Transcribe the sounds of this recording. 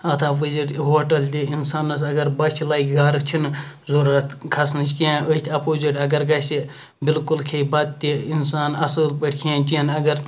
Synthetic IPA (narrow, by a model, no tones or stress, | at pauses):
ɐt̪ʰafizʲiʈɦoːʈɐlt̪iinsaːnːɐs̬ɐɡɐɾbɐt͡ʃʰilaːikɡaːɾɨkt͡ʃʰinzoɾɐt̪kʰɐsnɨt͡ʃʰkiãːʔət̪ʲʰɐpoːziʈɐɡɐɾɡɐsi | bɪlkulkʰeibɐt̪̚t̪ʲːiinsaːnɐsɨːlpəʈʲkʰaːnʲt͡ʃiɐnɐɡɐɾ